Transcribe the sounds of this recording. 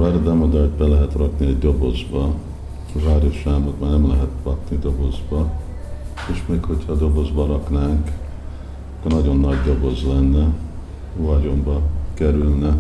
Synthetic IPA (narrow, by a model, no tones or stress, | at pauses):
vaːɾod̪ɛmod̪ɒɟbɛlɛɦɛt̪rɒkniɛɟd̪o̞bo̞zbɒ | vaːɾoʃaːmot̪maːrnɛmlɛɦɛt̪rɒknid̪o̞bo̞zbɒ | eːʃmeːkho̞chɒd̪o̞bo̞zbɒɾɒknaːŋk | ɒkːornɒɟo̞nːɒɟd̪o̞bozlɛnːɛ | vɒɟo̞mbɒkɛɾylnɛ